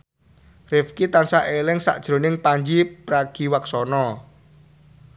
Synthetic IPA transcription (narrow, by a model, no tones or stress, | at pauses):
rɪfkit̪ansaʔelɪŋsa̰ʔd̥ʒ̥ɾo̤nɪŋpaɲd͡ʒipɾaɡ̥i̤waksɔnɔ